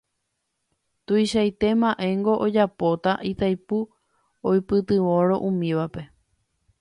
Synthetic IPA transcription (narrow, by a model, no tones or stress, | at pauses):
t̪ujʃajt̪e̞mãʔe̞ŋɡo̞ʔod͡ʒapo̞t̪aʔit̪ajpu | ojpɨt̪ɨʋo̞ɾo̞ʔũmĩʋape̞